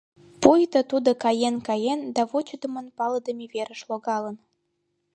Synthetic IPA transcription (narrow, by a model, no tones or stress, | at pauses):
pujt̪ət̪ud̪okɑjenkɑjend̪ɑβot͡ɕəd̪ə̆mənpɑləd̪əmiβeɾə̆ʃloɣɑlə̆n